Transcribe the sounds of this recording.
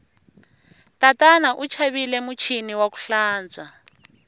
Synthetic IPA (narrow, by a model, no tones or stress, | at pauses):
tatanaʔut͡ʃʰaβilɛmut͡ʃʰiniwaku̥ɬaːnd͡za